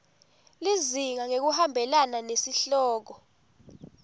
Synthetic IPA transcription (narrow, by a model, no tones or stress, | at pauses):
liziŋaŋek̬uhambʱɛlananesiɬɔːk̬ɔ